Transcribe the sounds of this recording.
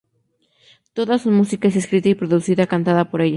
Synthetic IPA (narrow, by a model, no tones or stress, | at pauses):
t̪o̞ðasonmusikae̞s̬e̞skɾit̪aipɾo̞ðusiðakant̪aðapo̞ɾe̞ʝa